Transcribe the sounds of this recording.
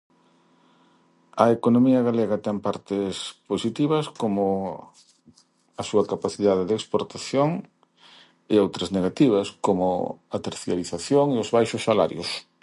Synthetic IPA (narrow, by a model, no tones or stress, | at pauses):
ɐekonomiɐɣaleɣɐt̪ɛmpaɾt̪ɪsposit̪iβɐskomʊ | ɐsuɐkapaθiðaðɪðekspoɾt̪aθjoŋ | ɪowt̪ɾɐzneɣat̪iβ̞ɐskomʊ̰ɐat̪eɾθjaliθaθjoŋeʊzβajʃʊsːala̰ɾjʊ̰s